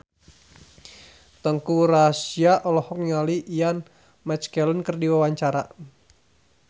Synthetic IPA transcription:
t̪əŋkurasiaʔɔlɔhɔk̚niŋaliʔijan | mɛt͡ʃkɛlənkərdiwawaɲt͡ʃaɾa̰

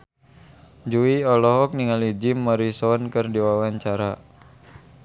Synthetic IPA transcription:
d͡ʒuiɔlɔɦɔk̚niŋalid͡ʒimːɔɾisɔnkɨrdiwawaɲt͡ʃaɾa

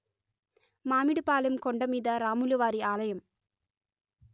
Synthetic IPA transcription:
maːmiɽɯpaːlɯmkɔɳɖɐmiːðɐɾaːmulɯʋaːɾiaːlɐjɐm

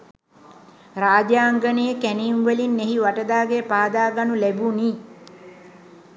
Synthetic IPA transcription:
raːd͡ʒjaːŋɡənijəkæninʋəlinːeɦiʋaʈəd̪aːɡepaːd̪aːɡanulæbuniː

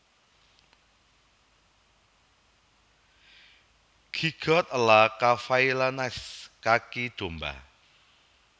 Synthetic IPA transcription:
ɡ̥iɡ̥ɔt̪̚əlakafailanɛskakid̪̥o̤mba̰

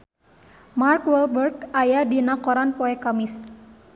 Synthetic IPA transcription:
markwɛlbərɡajadinakɔɾanpɔɛkamis

